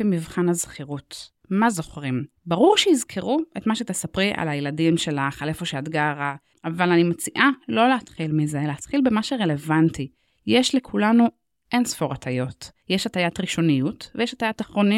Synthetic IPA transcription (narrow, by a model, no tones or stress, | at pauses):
emivχanhazχiʁut | mazo̞χʁim | baʁuʁʃehizkʰeʁuʔe̞tmaʃet̪esapʁiʔa̰lajeladimʃe̞laχale̞fo̞ʃeadɡaʁa | avalanimat͡siʔalo̞leatχilmizeleat̪χilbemaʃeʁe̞le̞vanti | jeʃle̞kʰulanu | ʔe̞nsfoʁatʰajo̞tjeʃatajatʁiʃo̞nijutvejɛʃatajataχʁoni